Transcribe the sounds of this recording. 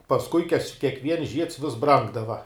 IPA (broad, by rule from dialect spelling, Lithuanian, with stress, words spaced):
pɐsˈkʊɪ kɐʃ kʲiɛkˈʋʲiɛns ʒʲiɛts ʋʲɪs ˈbrɐŋɡdɐʋɐ